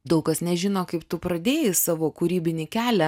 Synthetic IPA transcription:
d̪ɐʊkɐsnʲɛʒʲɪnoːkɐɪpt̪ʊpɾɐd̪ʲeːjɪsɑːʋoːkuɾʲiːbʲɪnʲɪkʲæːlʲɛ

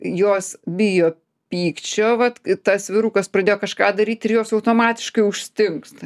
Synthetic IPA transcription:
joːsbʲɪjoː | pʲiːkt͡ʃʲoːʋɐt̪t̪ɐsʋʲɪɾuːkɐsprɐd̪ʲeːjoːkɐʃkɑːd̪ɐɾʲiːt̪ʲɪɾjoːsɐʊt̪oːmɑːt̪ʲɪ̥ʃkɐɪʊʃʲsʲt̪ʲɪŋkst̪

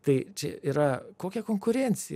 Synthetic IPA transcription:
t̪ɐɪt͡ʃʲɛ̰iːɾɐkoːkʲɛkoŋkʊɾʲɛnʲt̪sʲɪ

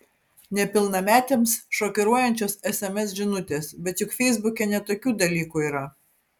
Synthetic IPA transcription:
nʲɛpʲɪlˠnɐmʲæːt̪ʲemsʃoːkʲɛɾuɔjɛnʲt͡ʃʲoːsɛsɛmʲɛs̬ʒʲɪnʊt̪ʲeːsbʲɛt̪jʊkfʲɛɪzbʊkʲɛnʲɛt̪oːkʲuːd̪ɐlʲiːkuːiːɾɐ

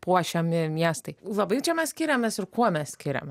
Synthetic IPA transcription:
puɔʃʲɛmʲɪmʲiɛst̪ɐɪlˠɐbɐɪt͡ʃʲɛmʲɛssʲkʲɪɾʲɛmʲɛsɪɾkuɔmʲɛssʲkʲɪɾʲɛ̰mʲ

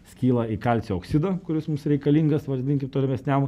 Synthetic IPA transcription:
sʲkʲiːlˠɐiːkɐlʲt͡s̪ʲeoːksʲɪd̪ɐkʊɾʲɪsmʊmsɾʲɛɪkɐlʲiŋɡɐsʋɐɾʲzd̪ʲiŋʲkʲɪmt̪oːlʲɛmʲɛsʲnʲæm

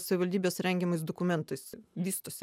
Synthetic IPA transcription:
sɐʋʲɪʋɐlʲd̪ʲiːbʲeːsɾʲɛŋʲɡʲɛmɐɪs̬d̪okʊmʲɛnt̪ɐɪsʋʲiːst̪oɔːsʲ

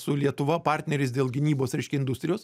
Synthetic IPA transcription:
sʊlʲiɛt̪ʊʋɐpɑɾʲt̪ʲnʲɛɾʲɪsd̪ʲeːlˠɡʲɪnʲiːboːsɾʲɛɪʃʲkʲɛɪnd̪ʊst̪ɾʲɪjoːs

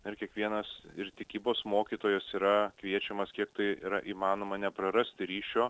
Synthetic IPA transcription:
ɪɾkʲiɛkʋʲiɛnɐsɪɾt̪ʲɪkʲiːboːsmoːkʲiːt̪oːjɛsiːɾɐkʋʲiɛt͡ʃʲɛmɐskʲiɛkt̪ɐɪiɾɐʔiːmɑːnoːmɐnʲɛpɾɐɾɐsʲt̪ʲɪɾʲiːʃʲoː

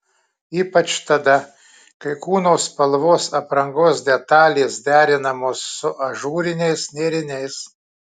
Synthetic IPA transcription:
iːpɐt͡ʃt̪ɐd̪ɐ | kɐɪkuːnoːspɐlˠʋoːsɐpɾɐŋɡoːsd̪ʲɛt̪ɑːlʲeːsd̪ʲæːɾʲɪnɐmoːsːʊʔɐʒuːɾʲɪnʲɛɪsnʲeːɾʲɪnʲɛɪs

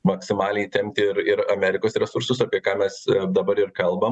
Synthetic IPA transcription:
mɐksʲɪmɑːlʲɛɪt̪ʲɛmʲt̪ʲɪɪɾɪɾɐmʲɛːɾʲɪkoːsɾʲɛsʊɾsʊs̬ɑːpʲiɛkɑːmʲɛsd̪ɐbɐɾɪrkɐlˠbɐm

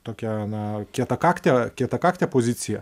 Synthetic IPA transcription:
t̪oːkʲɛɐnɐkʲiɛt̪ɐkɑːkt̪ʲekʲiɛt̪ɐkɑːkt̪ʲeːpoːzʲɪt̪sʲɪjɛ

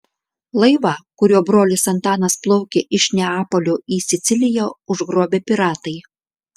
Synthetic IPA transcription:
lˠɐɪʋɑːkʊɾʲuːbɾoːlʲɪsɐnt̪ɑːnɐsplˠɔʊkʲeʔɪʃnʲɛɑːpolʲoːʔiːsʲɪt̪sʲɪlʲɪjoʊʒɡɾoːbʲeːpʲɪɾɑːt̪ɐɪ

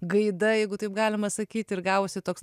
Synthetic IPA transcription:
ɡɐɪd̪ɐjɛɪɡʊt̪ɐɪp̚ɡɑːlʲɪmɐsɐkʲiːt̪ʲɪɾɡɑːʋosʲɪt̪oːks

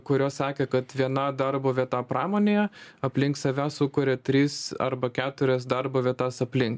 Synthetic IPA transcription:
kʊɾʲoːssɑːkʲekɐt̪ʋʲiɛnɐd̪ɐrboːʋʲiɛt̪ɑːpɾɑːmoːnʲeːjɛɐpʲlʲɪŋksɐʋʲæːsʊkʊɾʲɛt̪ʲɾʲiːsɐ̰ɾbɐkʲæːt̪ʊɾʲɛsd̪ɐrboːʋʲiɛt̪ɑːsɐpʲlʲɪŋk

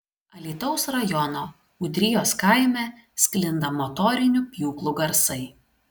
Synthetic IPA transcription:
ɐlʲiːt̪ɒʊsɾɐjɔnoː | ʊd̪ʲɾʲɪjoːskɑˑɪmʲɛ | sʲkʲlʲɪnd̪ɐmɔt̪ɔːɾʲɪnʲʊpʲjuːklˠuɡɐɾsɐɪ

